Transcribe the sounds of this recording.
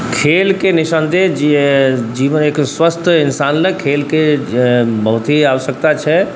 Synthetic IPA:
kʰeːlkenɪʃənd̪ʱed͡ʒ | d͡ʒiːʋənekswəst̪ʰɪnsaːnləkʰeːlke | bəɦut̪iaʋəʃjək̚t̪at͡ʃʰɛ

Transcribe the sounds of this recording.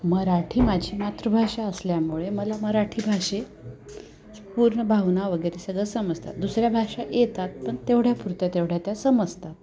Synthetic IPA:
məɾaʈʰiːmad͡ʑʱiːmat̪ɾəbʱaʂaəsljamuɭeməlaməɾaʈʰiːbʱaʂe | puɾɳəbʱaʋnaʋəɡəɾesəɡɭəsəməd͡zt̪a̰t̪d̪usɾjabʱaʂajet̪at̪̚pəɳt̪eʋɽjapuɾt̪jat̪eʋɽ̤jat̪jasəməd͡zt̪at̪̚

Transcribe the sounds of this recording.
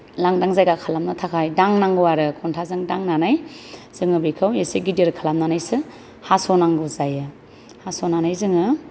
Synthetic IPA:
laŋdaŋzajɡakʰalamnɯtʰakʰajdaŋnaŋɡɯwaɾɯkʰɔntʰazɯŋdaŋnanajz̥ɯŋɯbikʰaweseɡidiɾkʰalamnanajsɯ | hasonaŋɡuzajɯ | hasonanajzɯŋɯ

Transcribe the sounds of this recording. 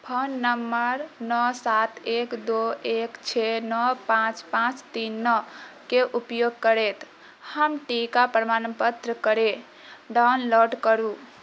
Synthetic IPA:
pʰonːəmːəɾnɔsat̪ekd̪oekt͡ʃʰenɔpãt͡ʃpãt͡ʃt̪inːɔkeʔupjoɡ̚kəɾet̪ | həmʈikapɾəmanpət̪ɾəkəɾe | ɖawnloɖkəɾu

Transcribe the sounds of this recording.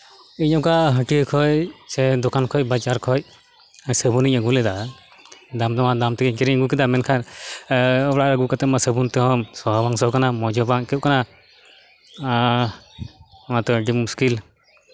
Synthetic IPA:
iɲɔmkaɦəʈiəkʰɔjsɛd̪ɔkankʰɔc̚bat͡ʃaɾkʰɔc̚ | səbuniɲəɡulɛd̪a | d̪amt̪ɔmad̪amt̪ɛkɛkɛɾiɲəɡuk̬ɛd̪amɛnkʰan | ɔɽaʔɾaɡukat̪ɛmasəbunt̪ɛɦɔmsɔɦbaŋsɔkanamɔd͡ʒɔbaŋkɛʔ̚kana | mat̪ɔɖimuskil

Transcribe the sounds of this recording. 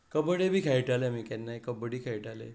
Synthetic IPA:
kəbəɽebʱiːkʰɛjʈalemikɛnːakəbəɽikʰɛjʈalḛ

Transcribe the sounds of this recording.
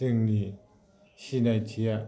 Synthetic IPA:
əŋni | ɕʰinat͡ɕʰija

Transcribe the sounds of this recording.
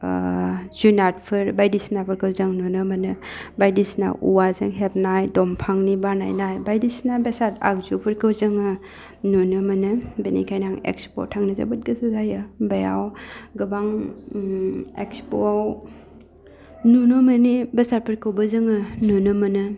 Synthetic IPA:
zunat̚pʰɯɾbajdisnapʰɯɾkʰɯwzɯŋnunɯmɐnɯbajdisna̰ʔṵwazɯ̰ŋɦep̚najdɔmpʰaŋnibana̰jnajbajdisnabesata̰k̚zupʰɯɾkʰɯwzɯŋɯ | nunɯmɐnɯbenḭkʰajnaŋḛkspo̰tʰaŋnɯza̰bɯt̚ɡəsuzajɯbaja̰wɡɯbaŋ | ekspo | nunɯmənibesat̚pʰɯɾkʰɯwbəzɯŋɯnunɯmɐnɯ

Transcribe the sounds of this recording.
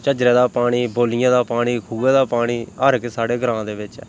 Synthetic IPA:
t͡ʃəd͡ʒɾẽːd̪aːpaːɽ̃iːboːlɪjãːd̪aːpaːɽ̃iːkʰuːɛ̃ːd̪aːpaːɽ̃iːəɾkesaːɽeːɡɾãːd̪eːʋɪt͡ʃɛ̰ː

